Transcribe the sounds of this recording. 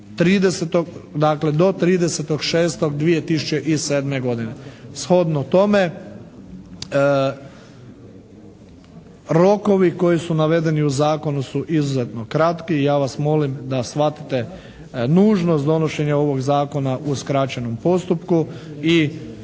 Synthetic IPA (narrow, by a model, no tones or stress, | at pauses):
t̪ɾiːd̪eset̪oɡd̪akle̞d̪o̞t̪ɾiːd̪e̞set̪o̞ɡʃeːst̪o̞ɡd̪ʋije̞t̪isut͡ɕeʔiseːd̪me̞ɡo̞d̪ine̞sxo̞d̪not̪o̞me̞ | ɾo̞ko̞ʋiko̞jisunaʋe̞d̪e̞niuzaːko̞nusuʔizuze̞t̪no̞kɾat̪kijaːʋasmo̞limd̪asʋat̪i̥t̪e | nuːʒnost̪d̪o̞no̞ʃe̞ɲao̞ʋo̞ɡzaːko̞naʔuskɾat͡ɕeno̞mpo̞st̪upkui